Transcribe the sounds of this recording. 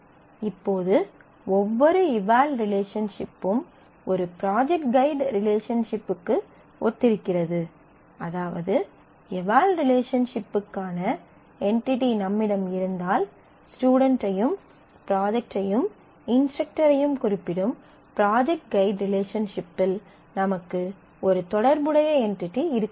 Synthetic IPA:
ɪpːoːðɯ | ɔʋːɔɾɯɪʋaːlɾɪleːʂɐnʂɪpːɯm | ɔɾɯpɪɾaːd͡ʒɛk̚ʈ̚ɡɐɪɖɾɪleːʂɐnʂɪpːɯkːɯ | ɔt̪ːɪɾɯkːɪrɐðɯ | ɐðaːʋɐ̰ðɯ | ɪʋaːlɾɪleːʂɐnʂɪpːɯkːaːnɐ | ɛɳʈɪʈinɐmːɪɽɐmɪɾɯnd̪aːl | sʈuːɽɐɳʈːɐjɯm | pɾaːd͡ʒɛk̚ʈɐjɯm | ɪnsʈɐk̚ʈɐɾɐjɯmkʊɾɪpːɪɽɯm | pɪɾaːd͡ʒɛk̚ʈ̚ɡɐɪɖɾɪleːʂɐnʂɪpːɪl | nɐmɐkːɯ | ɔɾɯt̪ɔɽɐɾbɯɽɐjɐɛɳʈɪʈːiɪɾɯkː

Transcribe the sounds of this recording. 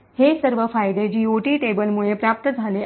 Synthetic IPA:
hesəɾʋəfaːjd̪ed͡ʑiːoʈiːʈebəlmuɭepɾaːp̚t̪əd͡zʱale

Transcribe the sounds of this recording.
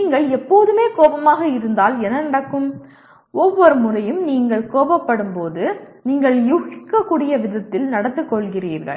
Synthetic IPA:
iːŋɡɐɭɛpːoːðɯmeːkoːbɐmaːɣɐɪɾɯnd̪aːlɛnɐnɪɽɐkːɯm | ɔʋːɔɾɯmʊɾɐjɯmniːŋɡɐɭkoːbɐpːɐɽɯmpoːðɯniːŋɡɐɭjuɣɪkːɐkːuːɽɪjɐʋɪðɐt̪ːɪlnɐɽɐt̪ːɯkːɔɭɣɪriːɾɣɐ̰ɭ

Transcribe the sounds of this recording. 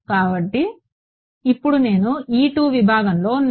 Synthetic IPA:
kaːbɐʈːiː | pːuɽune̞ːnuiːʈuːʋibʱaːɡɐmlo̞ːn

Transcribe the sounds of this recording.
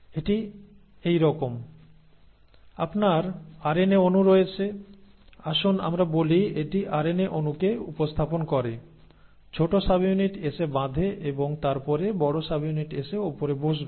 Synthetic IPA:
eʈi | ejɾɔkom | apnaɾaɾeneonuɾojet͡ɕʰe | aʃona̰mɾabolieʈiʔaɾeneʔonukeupost̪ʰaponkɔɾe | t͡ɕʰoʈosabijuniʈesebãd̪ʱeʔeboŋt̪aɾpɔɾebɔɽosabijuniʈeʃeopoɾeboʃbe

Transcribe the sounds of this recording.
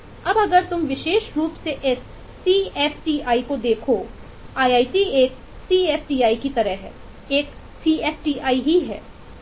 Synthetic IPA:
ɐbɐɡəɾt̪ʊmʋɪʃeːʃɾuːpseʔɪsː | iːɛːfʈiːaːikod̪eːkʰo | aːjaːiʈieːk̚ | siːɛːfʈiːaːikit̪ɐɾəɦɦɛ̰ː | eːk | siːɛːfʈiːaːiɦiɦɛ̰ː

